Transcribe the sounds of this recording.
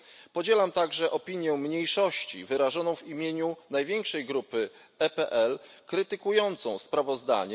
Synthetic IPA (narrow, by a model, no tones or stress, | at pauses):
pɔd͡ʑɛlamt̪aɡʐɛʔɔpʲiɲjɛmɲejʂɔɕt͡ɕḭvɘɾaʐɔnɔ̃w̃vimʲjeɲunajvʲjeŋkʂɛjɡɾupɘ | ɛpɛʔɛlkɾɘt̪ɘkujɔnt̪sɔ̃w̃spɾavɔzd̪a̰ɲɛ